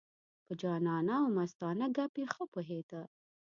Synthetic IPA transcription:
pəd͡ʒɑːnɑnawmast̪ɑːnaɡapexəpoɦet̪a

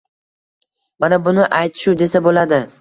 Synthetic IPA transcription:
manabʊnɪʔajt̪ʰɪ̥ʃud̪e̞sabolad̪ɪ

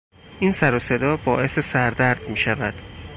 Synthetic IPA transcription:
ʔiːnsæɾose̞d̪ɒːbɒːʔe̞se̞sæɾd̪æɾd̪miːʃævæd̪̥

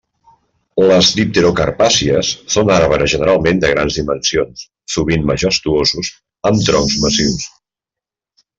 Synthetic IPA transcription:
ləzðip̚t̪eɾokə̰ɾpasiəsːonaɾβəɾəʒənəɾalˠmend̪əɣ̞ɾanzðimənsions | suβinməʒəst̪uozuz | əmt̪ɾɔmzməsiws

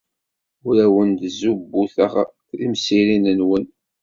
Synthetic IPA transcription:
ʊɾæwənd̪zubːuθəʁ | imsiɾinənwən

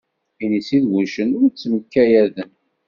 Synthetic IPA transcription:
inisiðɡuʃənʊɾt͡sːməkːæjæðən

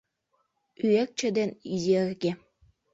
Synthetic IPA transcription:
yek̚t͡ɕĕd̪enizerɡe

